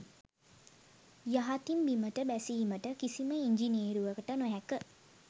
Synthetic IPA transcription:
jaɦat̪imbiməʈəbæsiɦiməʈəkisiməiɲd͡ʒinieːɾuʋəkəʈənoɦɛkə

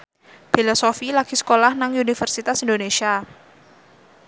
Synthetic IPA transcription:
filosofilaɡ̥isə̥kolahnaŋunifərsit̪asindonesia

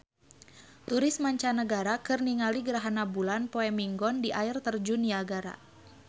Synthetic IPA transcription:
t̪uɾɪsmaɲt͡ʃanəɡaɾakɨrniŋaliɡəɾaɦanabulanpoɛmiŋɡɔndiʔaɪrt̪ərd͡ʒuniaɡaɾa̰

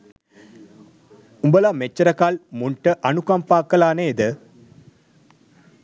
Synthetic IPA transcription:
umbəlamet͡ʃːɐɾɐkalmuɳʈəʔɐnukampaːkːəlaːnəed̪ə

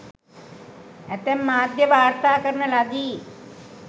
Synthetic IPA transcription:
æt̪emːaːd̪jəʋaːɾt̪aːkəɾnəlaɡ̪iː

